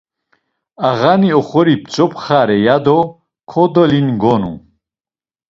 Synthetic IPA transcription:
aʁaniɔχɔɾipt͡sʼɔpʰχaɾɛjad̪ɔ | kʰɔd̪ɔlinɡɔnṵ

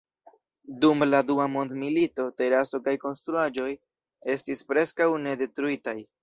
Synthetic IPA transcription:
dumladuamo̞ndmilito̞te̞ɾaso̞kajko̞nstɾuad͡ʒo̞j | e̞stispɾe̞skawne̞de̞tɾuitaj

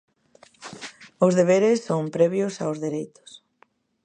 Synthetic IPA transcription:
ʊzðeβ̞eɾɪsːoŋpɾɛβjʊsaozðeɾejt̪ʊ̥s

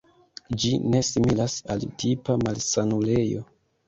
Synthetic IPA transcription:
d͡ʒine̞similasaltʰipamalsanule̞jo̞̰

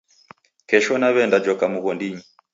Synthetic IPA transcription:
kɛʃɔnaβɛndad͡ʒɔkamuɣɔndiɲi

